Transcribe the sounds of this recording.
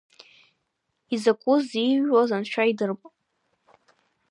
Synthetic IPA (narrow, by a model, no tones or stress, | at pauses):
izakʷʼʊziʒwazanʃʷᶣaidɨrpʼ